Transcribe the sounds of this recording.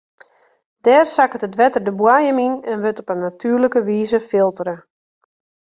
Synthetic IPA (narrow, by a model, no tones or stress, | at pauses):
d̥ɛːrsakətətʋɛtərdəbwajəminɛnʋøtɔpənːatʰyːrləkəʋiːzəfɪlˠtəɾə